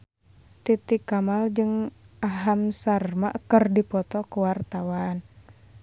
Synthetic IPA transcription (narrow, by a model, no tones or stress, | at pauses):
t̪it̪ikamald͡ʒɨŋaɦamsarmaʔkərdipɔt̪ɔkuwart̪awan